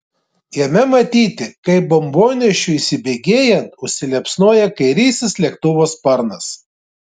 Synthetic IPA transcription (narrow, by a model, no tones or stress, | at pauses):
jɛmʲɛmɐt̪ʲiːt̪ʲɪkɐɪbɔmboːnʲɛʃʲʊisʲɪbʲeːɡʲeːjɛnt̪ʊʃʲsʲɪlʲɛpsnuɔjɛkɐɪɾʲiːsʲɪslʲiɛk̚t̪ʊʋoːspɐɾnɐs